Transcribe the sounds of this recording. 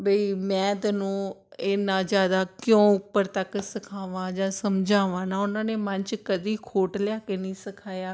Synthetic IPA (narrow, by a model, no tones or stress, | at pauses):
bəiːmɛ̃ːt̪ɛnũːɪːnãːd͡ʒjaːd̪aːkjõːʊpːəɾt̪əksəkʰaːʋãːd͡ʒãːsəmd͡ʒaːʋãːnaːʊnãːneːməɲt͡ʃkəd̪iːkʰoːʈlɪjaːkeːnĩːsəkʰaːjaː